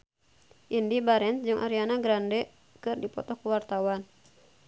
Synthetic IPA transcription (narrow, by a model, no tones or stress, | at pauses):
ʔindibaɾɛnsd͡ʒɨŋʔa̰ɾianaɡɾandɛ | kɨrdipɔ̰t̪ɔhkuwart̪awan